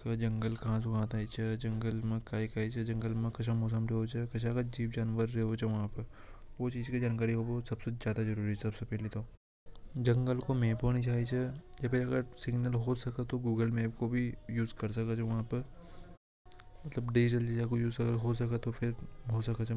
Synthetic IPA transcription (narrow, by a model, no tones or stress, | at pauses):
kad͡ʒɐ̃ŋɡəlkɐɦãsokɦãt̪aːit͡ʃʰɛd͡ʒɐ̃ŋɡəlmẽkaːikaːit͡ʃʰɛd͡ʒɐ̃ŋɡəlmẽkɐʃʰamɔːs̬əmɾeɦot͡ʃʰɛkɐt͡ʃʰakad͡ʒiːʋd͡ʒaːnʋəɾːeɦot͡ʃʰɛʋɐɦãpɐɾ | ʋot͡ʃiːzkid͡ʒaːnkaːɾiɦobosɐbsed͡ʒaːd̪azɐɾuːɾiɛsɐbsepɛːlit̪ʰo | d͡ʒɐ̃ŋɡəlkomeːpɦoːnit͡ʃaːɦit͡ʃʰɛd͡ʒɐpeɾɐɡəɾsɪɡnəlɦoːsɐkət̪oɡuːɡəlmeːp̚kobʱijuːzkɐɾsɐkət͡ʃʰeʋɐɦãːpɐ | mɐt̪ləbɖid͡ʒɪʈəld͡ʒed͡ʒakojuːzɐɡəɾɦoːsɐkət̪opʰɪɾɦoːsɐkət͡ʃʰ